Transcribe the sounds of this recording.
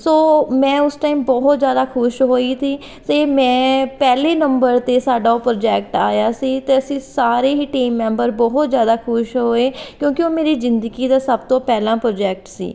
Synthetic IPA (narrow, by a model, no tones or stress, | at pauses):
soːmɛ̃ːʊsʈaːiːmbɔːɦt̪zjaːd̪aːkʰʊʃɦoːiːt̪iː | t̪eːmɛ̃ːpɛːleːnəmbəɾt̪eːsaːɖaːoːpɾoːd͡ʒɛːk̚ʈaːjaːsiːt̪eːəsĩːsaːɾeːɦiːʈiːmːɛ̃ːmbəɾbɔːɦt̪zjaːd̪aːkʰʊʃɦoːeːkjõːkɪoːmeːɾiːzɪnd̪əɡiːd̪aːsəbt̪õːpɛːlãːpɾoːd͡ʒɛːk̚ʈsḭː